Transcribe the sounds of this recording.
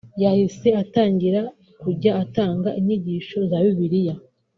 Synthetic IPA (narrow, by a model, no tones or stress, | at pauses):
jahise̞ataːɲɟiɾa | kuɟaːtaːŋɡaʔiɲ̥iɟiːʃo̞zaβiβiɾija